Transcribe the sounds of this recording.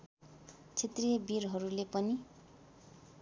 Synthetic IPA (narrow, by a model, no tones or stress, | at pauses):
t͡sʰet̪rijʌbirɦʌɾulepʌni